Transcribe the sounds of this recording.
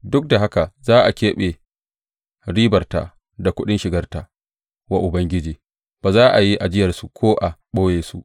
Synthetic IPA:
dʊ˦k̚da˨ɦa˦ka˨zaː˦ʔa˨kʲeː˦ɓe˨ | ɽiː˦bɐ˨rta̰˨ | da˨kʷʊ˦ɗɪ˦nʃɪ˨ɡɐ˦rta̰ː˨ | wa˨ʔʊ˨bɐ˦ŋɡʲɪ˦d͡ʒiː˨ | b̥aː˨zaː˦ʔa˨ji˦ʔa˨d͡ʒɪ˦jɐ˨rsu˨kʰʷoː˦ʔa˨ɓoː˦jeː˨sṵ˦

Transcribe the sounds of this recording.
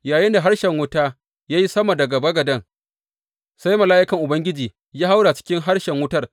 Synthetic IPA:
jaː˨jɪ˦nda˨ɦa˦ɽʃɛ˨ŋwʊ˦taː˦ | jaː˦ji˦sɐ˦ma˨dɐ˨ɡɐ˨bɐ˦ɡɐ˨dɐ˦ŋ | sa˦jmɐ˨laː˦ʔɪ˦kɐ˨ŋʔʊ˨bɐ˦ŋɡʲɪ˦d͡ʒiː˨ | jaː˦ha˦wɽa˨t͡ʃɪ̥˦kʲɪ˦ŋɦa˦rʃɛ˨ŋwʊ˦tɐ˦r

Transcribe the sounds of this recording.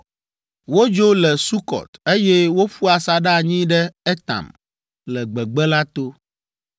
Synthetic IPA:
wo˦d͡ʒo˦lɛ˨su˦kɔ̰˨t̪e˦jɛ˦wo˦ɸu˦a˨sa˨ɖa˦˨ɲĩ˦ɖɛ˦ɛ˦t̪a̰˨m | lɛ˨ɡ͡bɛ˨ɡ͡bɛ˦la˦t̪o˦

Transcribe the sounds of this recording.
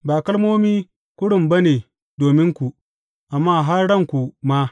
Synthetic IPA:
baː˨kɐ˦lmoː˦miː˦ | kʷʊ˦ɽʊ˨mbɐ˦neː˨ | doː˨mɪ˦ŋkʷu˨ | ʔa˨mːaː˦˨ɦa˦rɽɐ˦˨ŋkʷu˨ma˦

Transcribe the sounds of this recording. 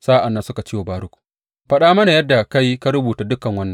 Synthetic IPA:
saː˦ʔa˨nːɐ˦nsʊ˦ka˨t͡ʃiː˦wa˨baː˦ɽʊ˦kʷu̥˨ | ɸɐ˦ɗaː˦mɐ˦na˨jɐ˦dːa˨ka˦jka˦ɾʊ˦buː˨ta˦dʊ˦kːɐ˨ŋwɐ˦nːɐ˨ŋ

